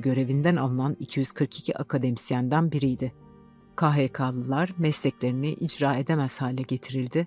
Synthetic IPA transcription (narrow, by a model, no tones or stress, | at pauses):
ɟø̞ɾe̞vind̪ænalˠɯnanicʰijyz̥kʰɯɾkʰi̥cʰiʔakʰad̪emisjænd̪ænbiɾijd̪ɪ | kʰaɦekʰaːlˠɯlˠaɾmɛslʲɛclʲe̞ɾiniʔid͡ʒɾaːe̞d̪emæz̥haːlʲɛɟe̞t̪ʰiɾilʲd̪ɪ